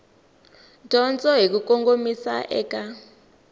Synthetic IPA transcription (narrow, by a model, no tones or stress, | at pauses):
dʱɔnt͡sʼɔɦik̬ukɔŋkʼomisa̰ʔɛːkʼa